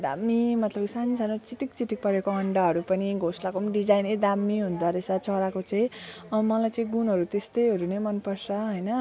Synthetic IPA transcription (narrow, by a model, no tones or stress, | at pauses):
d̪a̰mːimʌt̪lʌbsanisanot͡siʈik̚t͡siʈik̚pʌɾekoʌɳɖaɦʌɾupʌniɡʱoslakomɖid͡zajned̪amːiɦund̪ʱʌɾesat͡sʰʌɾakot͡sʌ̃ĩ | ʌmʌlajt͡sʌĩɡunɦʌɾut̪est̪ʌjɦʌɾunemʌnpʌrsʌɦʌjnʌ